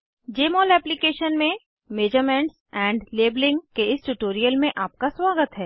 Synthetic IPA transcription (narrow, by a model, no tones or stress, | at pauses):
d͡ʒeːmɔːlɛːplikeːʃənmẽ | meːd͡ʒəɾmɛ̃ɳʈsɛ̃ːɳɖleːblɪ̃ŋɡkeɪsʈuʈoːɾijəlmẽʔaːp̚kaswaːɡət̪ɦɛː